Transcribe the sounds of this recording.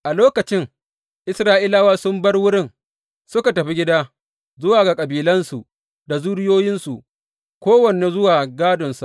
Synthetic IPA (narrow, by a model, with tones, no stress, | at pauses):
ʔa˨loː˦kɐ˨t͡ʃɪ˦ŋ | ʔɪ˦sɾaː˦ʔɪ˦laː˦waː˦sʊ˦mbɐ˦rwʊ˦ɽɪ˦˨ŋ | sʊ˦ka˨tɐ˨ɸi˦ɡʲɪ˦daː˦ | zʊ˦waː˨ɡa˨kʼɐ˨biː˨lɐ˦nsu˨ | da˨zuː˦ɽɪ˦joː˦jɪ˦nsu˨ʔ | kʷoː˦wɐ˨ne˨zʊ˦waː˨ɡaː˦dʊ˨nsu˨